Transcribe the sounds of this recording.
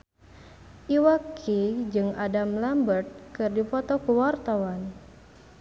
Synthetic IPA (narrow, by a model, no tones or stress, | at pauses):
ʔiwakʰid͡ʒɨŋadamlambərt̪̚kɨrdipɔt̪ɔkuwart̪awan